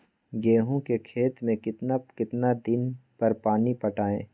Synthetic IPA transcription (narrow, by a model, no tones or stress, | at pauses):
ɡeːɦõkekʰeːt̪mẽkɪt̪nakɪt̪nad̪ɪnpɐɾpaːnipɐʈaːẽː